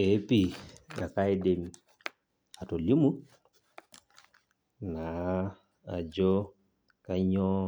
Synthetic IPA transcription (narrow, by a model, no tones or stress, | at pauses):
epiakajdemi | atɔlimu | na | a̰d͡ʒɔ | kaɲɔ